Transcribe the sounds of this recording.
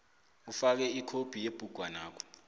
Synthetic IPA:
ufak̬ɛikʰob̥ʱijeb̥ʱuɡ̥ʱwanaːkʰɔ̥

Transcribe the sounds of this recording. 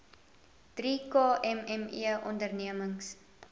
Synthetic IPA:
d̥rikɑːɛmɛmḭəʔɔndərniəməŋs

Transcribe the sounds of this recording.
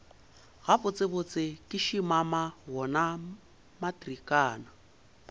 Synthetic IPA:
ɣabʊt͡sʼɪbʊt͡sʼɪkʼɪʃimamaɦɔna | matrikʼaːna

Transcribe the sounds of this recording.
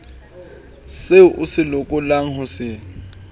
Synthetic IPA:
seʔʊsɪlokʼʊlaŋ̩hʊsɪ

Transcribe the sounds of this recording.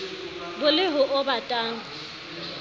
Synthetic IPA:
bʊlɪɦʊʔʊbatʼaːŋ̩

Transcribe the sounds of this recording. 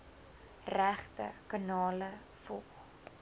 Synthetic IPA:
ræχtə̰kɑnɑːlə | fɔlˠχ

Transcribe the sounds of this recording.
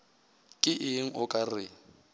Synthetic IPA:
kʼɪʔɪŋ̩ʔʊkʼarɪ

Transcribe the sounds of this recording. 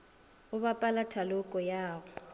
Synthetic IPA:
ʊβapʼalatʰalʊkʼɔjaːɣʊ

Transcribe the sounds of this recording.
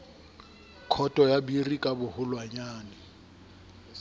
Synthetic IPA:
kʰɔtʼɔjabirikʼabʊhʊlwaɲaːnɪ

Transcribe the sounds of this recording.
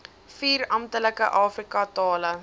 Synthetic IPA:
fiːɾɐmtələkəʔɑːfrikɐtɑːlə

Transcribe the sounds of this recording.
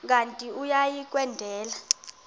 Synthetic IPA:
k̬ʼantʼiujajik̬ʼwɛndʱɛːla

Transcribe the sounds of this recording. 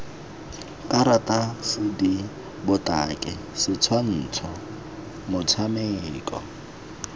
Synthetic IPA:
kʼaɾatʼasɪdi | bʊtʼa̰kʼɪ | sɪt͡sʰwan̩ːt͡sʰɔ | mʊt͡sʰameːkʼɔ̰

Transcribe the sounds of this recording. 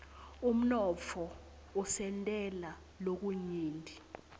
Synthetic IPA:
um̩nɔt͡fʰɔ | usɛntʼɛla | lok̬uɲiːndʱi

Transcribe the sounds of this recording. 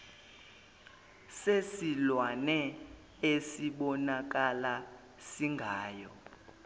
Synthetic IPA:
sesilwanɛ | esiɓɔnak̬ala | siŋɡʱaːjɔ

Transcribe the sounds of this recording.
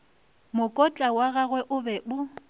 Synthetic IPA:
mʊkʼɔt͡ɬʼawaɣaɣwɛʔʊbɛbʊ

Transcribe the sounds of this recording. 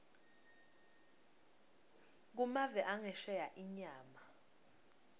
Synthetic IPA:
k̬umavɛʔaŋɛʃɛjaʔiɲaːma

